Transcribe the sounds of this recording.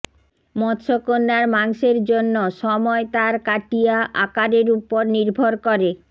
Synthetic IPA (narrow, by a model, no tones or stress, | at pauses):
mɔd̪ʃokonːaɾmaŋʃeɾd͡ʑonːoʃɔmɔet̪aɾkaʈijaʔa̰kaɾeɾupoɾniɾbʱoɾkoɾe